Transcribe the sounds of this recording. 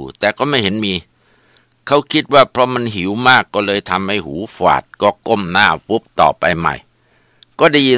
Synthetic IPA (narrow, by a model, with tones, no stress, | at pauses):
t̪ɛː˨˩kɔː˥˩ma˥˩jhe˩˦nmiː˧ | kʰa˦˥wkʰi˦˥t̪̚waː˥˩pʰɾɔ˦˥ma˧nɦi˩˦wmaː˥˩kːɔː˥˩lɤː˧jt̪ʰa˧mːa˥˩jhuː˩˦˥fa̰ː˨˩t̪̚kɔː˥˩ko˥˩mnaː˥˩pu˦˥p̚t̪ɔ̰ː˨˩pa̰˧jma̰˨˩j | kɔː˥˩da˥˩ji˧